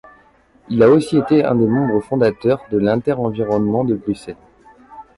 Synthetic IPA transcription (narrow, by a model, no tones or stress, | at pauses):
ilaosiet̪eɛ̰̃d̪emɑ̃bʁəfɔ̃d̪at̪œʁd̪əlɛ̃t̪ɛʁɑ̃viʁɔnmɑ̃d̪əbʁysɛl